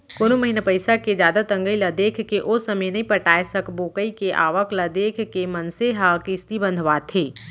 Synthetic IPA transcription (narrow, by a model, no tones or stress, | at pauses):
koːnoməɦinapəɪsaked͡ʒjaːd̪at̪ə̃ŋɡəilɐd̪eːkʰkeʔosəməjnɐɦĩpəʈaːesəkboːkəikeʔa̰ːʋəkləd̪eːkʰkemɐnseɦakɪst̪ibə̃nd̪ʱʋaːt̪ʰeː